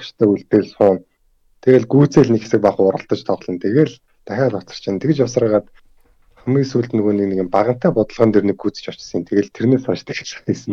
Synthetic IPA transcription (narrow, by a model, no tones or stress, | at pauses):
t͡ɕt̪ʰæːuɮt̪eːɮsχʊːn | t̪ʰeɣeːɮɡuːt͡seːɮnikxe̥sɘ̆k̚paχʊɾə̆ɬt̪ə̆t͡ɕt̪ʰɔʁɮɞ̆nt̪ʰeɣeːɮ | t̪æxʲaːɮʊt͡sə̆r̥t͡ɕʰint̪ʰekɘ̆t͡ɕɔwsrəːʁaːt̪ | χumiːsuːɮt̪nɣuːnĭkneɣɘ̆mpaʁə̆m̥t̪ʰæːpʊt̪ə̆ɮʁə̆nt̪ʰernɘ̆kɡːuːt͡sɘ̥̆t͡ɕɔ̥t͡ɕsə̆int̪ʰeɣeːɮt̪ʰerneːsat͡ɕt̪ʰə̥̆xe̥t͡ɕːisɘ̆m